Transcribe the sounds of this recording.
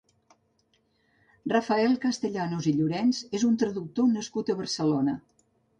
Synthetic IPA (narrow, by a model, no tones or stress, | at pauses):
rəfəɛlˠkəst̪əʎanuziʎuɾɛnzezunt̪ɾəðuk̚t̪onəskut̪əβərsəlonə